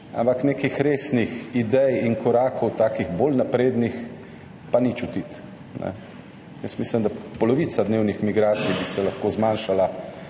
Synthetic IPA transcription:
a̰mpaknekixɾeːsnixid̪ɛjinkɔɾaːkʰɔwt̪aːkiɣbolnapɾeːd̪nix | panit͡ʃut̪it̪ | nɛ̰ | jəsmislimd̪apɔlɔʋiːt̪sad̪neːwnixmiɡɾaːt̪sijbisɛlɐxkozmaːnʃala

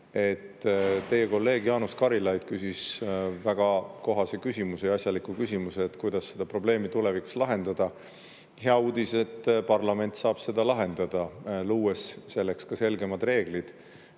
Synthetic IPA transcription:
e̞t̪ːt̪e̞jeko̞lːe̞ːɡ̥jɑːnuskɑɾilɑjd̪̥kysisvæɡ̥ɑko̞ɦɑse̞kysʲimusejɑsʲjɑlikukysʲimuseːt̪kujd̪̥ɑsːe̞d̪̥ɑpro̞ble̞ːmit̪ule̞viku̥slɑɦe̞nd̪̥ɑd̪̥ɑ | he̞ɑuːd̪̥ise̞t̪ːˑpɑrlɑme̞nt̪sɑːb̥se̞d̪̥ɑlɑɦe̞nd̪̥ɑd̪̥ɑluːesːe̞lːe̞kskɑse̞lɡe̞mɑd̪re̞ːɡ̥lid̪̥

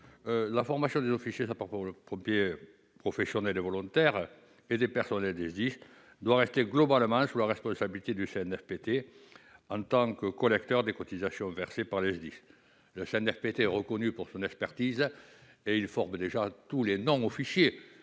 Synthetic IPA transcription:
lafɔʁmasjɔ̃d̪ezɔfisjes̬apaʁpɔləpɔ̃mpje | pχɔfesjɔnɛlevɔlɔ̃nt̪ɛʁ | ed̪epɛʁsɔnɛld̪ɛzd̪is | d̪waʁɛst̪eɡlɔbalmɑ̃sulaʁɛspɔ̃sabilit̪ed̪yseɛnɛfpet̪e | ɑ̃t̪ɑ̃kəkɔlɛkt̪œʁd̪ekɔt̪izasjɔ̃vɛʁsepaʁlɛzd̪is | ləseɛnɛfpet̪eɛʁəkɔnypuʁsɔ̃nɛkspɛʁt̪iz | eilfɔʁməd̪eʒat̪ulenɔ̃ɔfisje

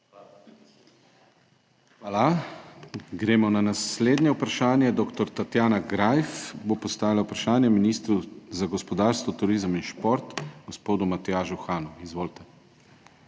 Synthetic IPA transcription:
xaːla | ɡɾeːmɔnanasleːd̪njɛupɾaʃaːnjɛd̪ɔːkt̪ɔɾt̪at̪jaːnaɡɾajfbopɔst̪aːilaupɾaʃaːnjɛminist̪ɾuzaɡɔspɔd̪aːɾst̪ʋɔt̪uɾiːzminʃpoɾt̪ɡ̥ɔspoːd̪umat̪ɛjaːʒuxaːnuizʋoːlt̪ɛ

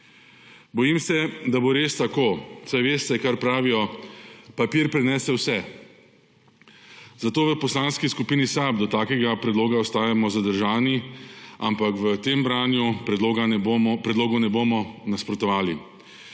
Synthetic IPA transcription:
bɔjimsɛd̪aboɾeːst̪akoːsajʋeːst̪ɛkaɾpɾaːʋijɔ | papiːɾpɾɛnɛːsɛwsɛ | zat̪oːʋəpɔslaːnskiskupiːnisabd̪ɔt̪aːkɛɡapɾɛd̪loːɡaɔst̪aːjamɔzad̪əɾʒaːniampakʋət̪eːmbɾaːnjupːɡapɾɛd̪loːɡɔnɛboːmɔnaspɾɔt̪ɔʋaːli

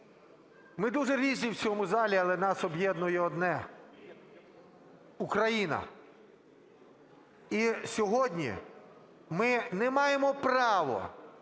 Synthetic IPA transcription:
mɪd̪uʒɛɾʲizʲnʲiwsʲɔɦɔmʊzɑlʲiɐlˠɛnɑsɔbjɛd̪nʊjɛɔd̪nɛ | ukɾɐjinɐ̰ | isʲɔɦɔdʲnʲḭ | mɪnɛmɑjemɔpɾɑʋɔ̰

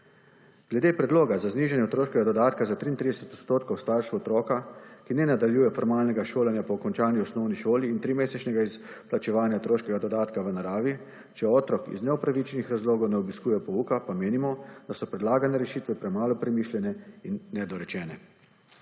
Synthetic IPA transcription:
ɡ̥lɛd̪eːpɾɛd̪loːɡazazniːʒanjɛt̪ɾoːʃkɛɡad̪ɔd̪aːt̪kazat̪ɾiːnt̪ɾid̪ɛsɛt̪ɔt̪st̪oːt̪kɔwst̪aɾʃɛɔt̪ɾɔːkakinɛnad̪aljuːjɛfɔɾmaːlnɛɡaʃoːlanjapɔːkɔnt͡ʃaːnjiɔsnɔwniʃoːliːnt̪ɾimeːsɛt͡ʃnɛɡais | plat͡ʃɛʋaːnjat̪ɾoːʃkɛɡad̪ɔd̪aːt̪kaʋənaɾaːʋi | t͡ʃɛɔt̪ɾɔkḭznɛɔpɾaʋit͡ʃɛnixɾazloːɡɔwnɛɔbiskuːjɛpɔuːkapameːnimɔd̪̥asɔpɾɛd̪laːɡanɛɾɛʃiːt̪ʋɛpɾɛmaːlɔpɾɛmiːʃlʲjɛnɛinːɛd̪ɔɾɛt͡ʃɛːnɛ

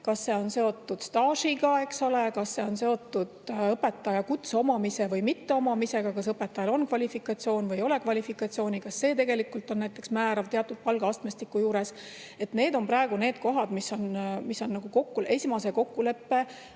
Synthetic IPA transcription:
kɑsːe̞o̞nse̞o̞t̪ːud̪̥st̪ɑːʃiɡɑe̞kso̞lekɑsːe̞o̞nse̞o̞t̪ːud̪̥ɤpe̞t̪ːɑjɑkut̪so̞mɑmise̞vɤjmit̪ːe̞omɑmise̞ɡ̥ɑkɑs̬ɤpːe̞t̪ːˑɑjɑlo̞nkvɑlʲifikːˑɑt̪sio̞ːnvɯjo̞le̞kvɑlʲifikˑɑt̪sio̞ːnʲikɑsːe̞ːt̪e̞ɡelikːult̪ːˑo̞nnæjt̪ːˑe̞ksmæːɾɑvt̪eɑt̪ːˑud̪̥̚pɑlɡ̥ɑɑst̪mest̪ikːˑujuːɾe̞s | e̞t̪ne̞ːd̪o̞mpɾɑeɡ̥une̞ːd̪̥̚ko̞ɦɑd̪misːo̞nmiso̞nːɑɡ̥uko̞kːulʔe̞sʲimɑse̞ko̞kːule̞pːe̞

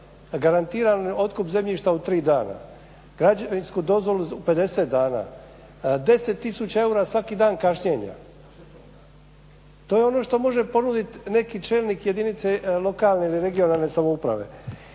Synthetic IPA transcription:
ɡaɾant̪iːɾano̞t̪kupze̞mʎiʃt̪aut̪ɾiːd̪aːna̰ | ɡ̥ɾad͡ʑaʋinskud̪o̞zʋo̞luupe̞d̪e̞set̪̚d̪aːna̰ | d̪e̞se̞t̪ːisut͡ɕae̞uːɾasʋakid̪aːnkaʃɲeːɲa̰ | t̪oːjeo̞no̞ʃt̪o̞mo̞ʒe̞po̞nud̪it̪ne̞kit͡ʃe̞ːlniːkje̞d̪init̪selˠo̞kaːlne̞iliɾe̞ɡio̞nalˠne̞samo̞upɾa̰ʋe̞̰

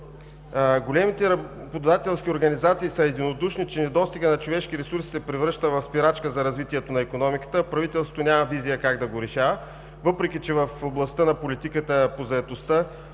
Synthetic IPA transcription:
ɡolɛmit̪ɛɾɐbod̪od̪at̪ɛlˠsk̟ʲioɾɡɐnizat̪siːsəɛd̪inod̪uʃnit͡ʃɛnɛd̪ɔst̪iɡənɐt͡ʃovɛʃkiɾɛsuɾsi̥sɛpɾɛvɾɤʃt̪əvɐfspiɾat͡ʃkəzɐɾɐzvit̪iɛt̪onɐɛkonɔmikə̥t̪əpɾɐvit̪ɛlˠsot̪onʲamɐvizijəkaɡd̪ɐɡoɾɛʃavə | vɤpɾɛkʲit͡ʃɛvɐfoblˠɐst̪ənɐpolit̪ikət̪əpozɐɛt̪ost̪ə

